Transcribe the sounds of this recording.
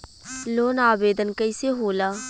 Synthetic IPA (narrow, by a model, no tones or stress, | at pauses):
loːnaːbeːd̪ənkəɪseːɦoːlaː